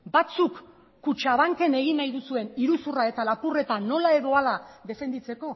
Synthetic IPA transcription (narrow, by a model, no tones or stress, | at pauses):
bat͡sukː | ut͡ʃaβaŋke̞ne̞ɣ̞inːajðusue̞niɾusurae̞t̪alapure̞t̪ano̞lae̞ðo̞alaðe̞fe̞nd̪it͡se̞ko̞